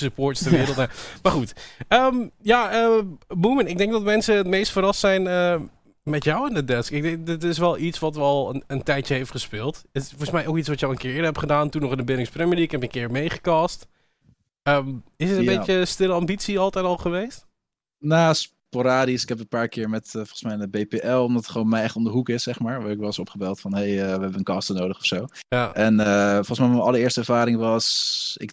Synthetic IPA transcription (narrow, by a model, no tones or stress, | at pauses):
səpoːɹtstəɹʋɪɾəl̩ˠtamaɹχutəːmjaəbumənɪɡ̚dɛŋk̚dɔtəmɛnsəətmejstfəɾɑstsɛjnə | mɛtjawɛndədɛskɪk̚dɛŋdɪtɪs̬ʋɛlˠitsʋɔtʋəɔlˠənəntɛjtjəɦejftχəspɪːlˠtəfɔɹsmɛjʔokit͡sʋɔtjəɔlˠənkɪːɹɪːdəɹɦɛpχədaːntunɔχɪndəbɪnɪŋsprɛmiəlikɛpənkɪːɹmejχə̥kaːst | əmɪsətəjbeəstɪləɑmbitsiɑlˠtɛjtɑlˠχəʋejst | naːs | poɾaːdisɪkɦɛp̬ənpaːɹkɪːɹmɛtəfɔlˠəsmɛjnəbejpeʔɛlˠɔmdɔtə̥tχʋonmɛjɛχtɔndəɦukɪsːɛχmaːɹʋaːɹɪkʋɛlˠɪsɔpχəbɛlˠtfɔnɦejəʋəɦɛbənənkɑːstənoːdəχɔfsowjaʔɛnəfɔlˠχəsmɛjmɛnɑləɹɪːɹstəɛɹv̥aːɾɪŋʋɑsɪ̰k